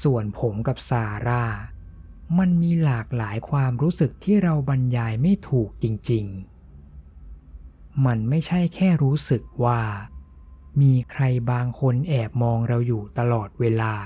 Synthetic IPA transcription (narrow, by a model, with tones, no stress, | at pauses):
su˨˩ənpʰo˩˦mka˨˩p̚saː˧ɾaː˥˩ | ma˧nmiː˧laː˨˩k̚laː˩˦jkʰwaː˧mɾuː˦˥sɯ˨˩k̚t̪ʰiː˥˩ɾa˧wba˧njaː˧jma˥˩jt̪ʰuː˨˩k̚t͡ɕi˧ŋt͡ɕi˧ŋ | ma˧nma˥˩jt͡ɕʰa˥˩jkʰɛː˥˩ɾuː˦˥sɯ˨˩k̚waː˥˩ | miː˧kʰɾa˧jbaː˧ŋkʰo˧nʔɛː˨˩p̚mɔː˧ŋɾa˧wjuː˨˩t̪a˧lɔː˨˩t̪̚weː˧laː˧